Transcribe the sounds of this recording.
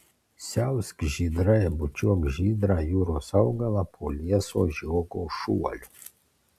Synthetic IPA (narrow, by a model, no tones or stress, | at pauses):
sʲawskʒid̪ɾajɛbut͡ʃiaɡʒid̪ɾajuɾɔsauɡalapʰoliaso̰ʒiɔɡoʃua̰lu